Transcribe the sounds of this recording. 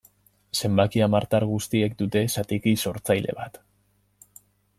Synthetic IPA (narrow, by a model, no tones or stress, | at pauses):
se̞mbakiamaɾt̪aɾɣust̪ie̞k̚d̪ut̪e̞sat̪ikiso̞ɾt͡sajle̞̰βat̪